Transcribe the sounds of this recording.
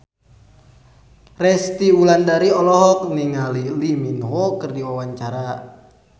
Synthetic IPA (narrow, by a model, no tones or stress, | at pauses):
rɛst̪iulandaɾiɔlɔɦɔk̚niŋaliliminɦɔkɨrdiwawaɲt͡ʃaɾa